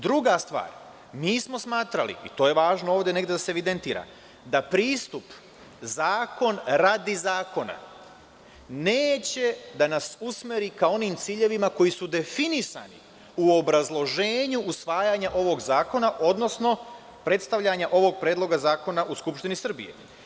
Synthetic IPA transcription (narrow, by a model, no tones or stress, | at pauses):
d̪ɾuɡast̪ʋa̰ːɾ | miːsmo̞smaːt̪ɾalḭit̪o̞ːje̞ʋaːʒnooːʋd̪ʲe̞ne̞ɡd̪easeeʋid̪e̞nt̪iːɾa̰ | d̪apɾiːst̪up | zaːko̞nɾad̪izaːko̞na̰ | neːt͡ɕe̞d̪anasusme̞ɾikao̞niːmt̪siːʎe̞ʋimako̞jisud̪e̞finisa̰nḭ | uo̞bɾazlˠo̞ʒe̞ːɲuʔusʋaːjaɲaʔo̞ʋo̞ɡzaːko̞naʔo̞d̪no̞sno̞ | pɾe̞t̪st̪aʋʎaɲaʔo̞ʋo̞ɡ̚pɾe̞ːd̪lˠo̞ɡazaːko̞naʔuskupʃt̪inisr̩bḭje̞̰